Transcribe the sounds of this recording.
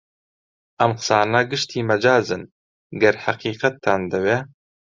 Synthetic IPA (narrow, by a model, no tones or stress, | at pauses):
ʔɐmqsaːnɐɡɨʃt̪ʰiːmɐd͡ʒaːzɨn | ɡɐɾħɐqiːqɐt̪ʰːaːnd̪ɐwe